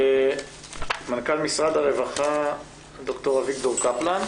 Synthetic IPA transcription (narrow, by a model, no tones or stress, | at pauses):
mankalmisʁad̪aʁevaχa | doktoʁaviktoʁkaplan